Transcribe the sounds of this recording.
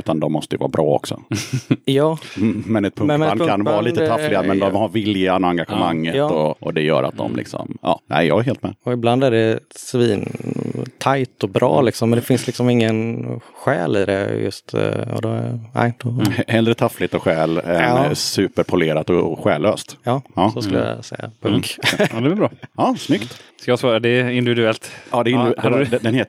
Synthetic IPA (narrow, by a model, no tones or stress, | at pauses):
ʉ̟ːt̪and̪ɔmːɔst̪əjvɑ̰ːabɾʔɑːɔ̰ksɔ̰jɑːmɛnɛt̪̚pʰmananvɑːɾliːt̪ət̪ʰaflɪɡamɛnd̪ɔmhaɾvɪljanɔaŋɡaɧəmaŋːəɔʔɔd̪ɛjœ̰ːɾa̰t̪̚d̪ɔ̰mlɪ̰ksɔ̰mɑ̰ːnæ̰ɪjɑ̰ːɡɛɾɦeːlt̪mɛɔɪbland̪æɖɛsviːnt̪ʰajt̪ɔbɾʔɑ̰ːlɪksɔmɛnd̪ɛfɪnslɪksɔmɪŋːənɧɛ̰ːlɪ̰d̪ɛ̰jɵ̰st̪ɔ̰d̪ɔ̰a̰jt̪ɔhɛld̪ɾɛt̪ʰaflɪt̪ɔɧɛːlɛsʉːpəɾpʰʊleːɾat̪ɔɧɛːlːøːst̪jɑːsɔskɵlja̰sɛjːa̰pʰɵŋkd̪ɛɛbɾɑːɑːsnʏkt̪skajɑsvɑːɾad̪ɛɪnd̪ɪvɪd̪ʉɛlt̪ɑd̪ɛɪndɛd̪ɛnheːt̪